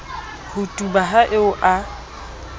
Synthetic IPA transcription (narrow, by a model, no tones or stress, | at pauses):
hʊtʼubaɦaʔɪʊʔa